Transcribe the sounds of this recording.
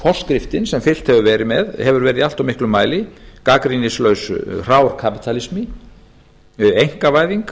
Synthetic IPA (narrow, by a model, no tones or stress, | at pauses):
fɔr̥skɾɪft̪ɪnsɛmfɪl̥t̪hɛvʏvɛːɾɪmɛðhɛvʏɾvɛːɾɪðal̥t̪awmɪhklʏmaːjlɪkakɾinɪslœːɥsr̥aːwɾ̥kʰapi̥t̪ʰalɪsmɪ | ejŋ̥kavaːjðiŋk